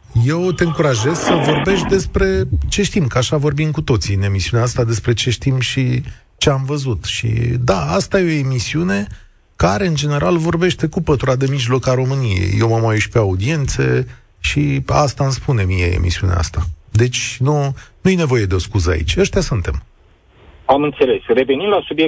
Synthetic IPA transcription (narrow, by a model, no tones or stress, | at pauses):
je̞wt̪e̞ɨŋkuɾaʒe̞zsəvo̞rbe̞ʃd̪e̞spɾe̞t͡ʃe̞ʃt̪imkəaʃavo̞rbimkut̪o̞t̪siɨne̞misiuneaast̪ad̪e̞spɾe̞t͡ʃe̞ʃt̪imʃi | t͡ʃe̞amvəzut̪ʃḭd̪aast̪ajeo̞emisiune̞ | kaɾe̞ɨnd͡ʒe̞ne̞ɾalvo̞rbe̞ʃt̪e̞kupət̪uɾad̪e̞miʒlo̞kaɾo̞mɨnije̞̰jjewmamaeʃpe̞aud̪ie̞nt̪sḛ | ʃia̰st̪anspune̞mijḛḛmʔḭsiunḛa̰st̪ad̪e̞t͡ʃʲnunujene̞vo̞je̞d̪eo̞skuzəa̰ḭt͡ʃʲəʃt̪easunt̪e̞m | amɨnt̪se̞le̞sre̞venimlasubje